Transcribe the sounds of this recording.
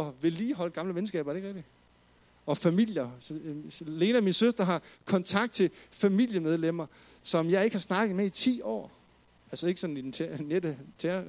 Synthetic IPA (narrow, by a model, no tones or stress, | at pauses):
ɒ̽ʋe̝liːɦɒ̽ləɡ̥ɑ̈mləʋenəsɡ̥ɛ̰ːbɐdeɡ̥ʁɛɡ̥̚d̥i | ɒ̽fæmil̰jɐ | le̝ːnəæminsøsd̥ɐɦɑ̈kʰɒ̽nt͡sʰɑ̈ɡ̥d̥̚t͡sʰe̝fæmil̰jəmeð̞ˠlem̰ɐ | sɒ̽mjɑ̈ɪe̝ɡ̥hɑ̈snɑ̈ɡ̥ð̩ˠmeit͡sʰḭːɒ̰ː | ælsɐe̝ɡ̥əsɒ̽n̩id̥enʰned̥ət͡sʰeɐ